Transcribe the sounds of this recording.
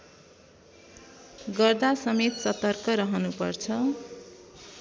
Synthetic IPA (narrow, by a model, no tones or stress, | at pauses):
ɡʌrd̪asʌmet̪sʌt̪ʌrkʌɾʌɦʌnupʌ̰rt͡sʰʌ